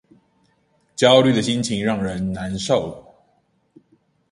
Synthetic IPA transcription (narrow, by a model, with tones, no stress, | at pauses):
t͡ɕjɑ˦ʊly˥˩d̪ə˩ɕi˦nt͡ɕʰi˧˥ŋɻɑ˥˨˩ŋɻə˨˦nna˨˦nʂo˥˨˩ʊ